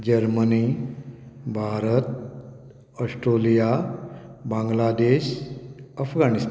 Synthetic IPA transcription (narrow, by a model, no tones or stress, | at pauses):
d͡ʑəɾməni | bʱaɾət̪̚ | əsʈɾolija | bãŋɡlad̪eɕ | əfɡanist̪